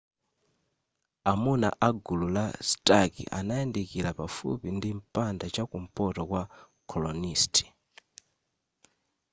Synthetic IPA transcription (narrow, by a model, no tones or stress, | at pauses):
amuna̰ʔaɡululastakḭʔa̰najɛndɛkilapafṵpindim̩pandat͡ʃakum̩pɔtɔkwa | kʰɔlɔnistʰi̥